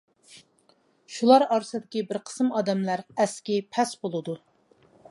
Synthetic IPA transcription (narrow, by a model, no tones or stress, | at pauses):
ʃulˠɑɾɑɾsɨd̪ɪkʲibɪɾqʰə̥sɨmɑːd̪ɛmlæɾɛskʲipʰɛsbolˠɨd̪u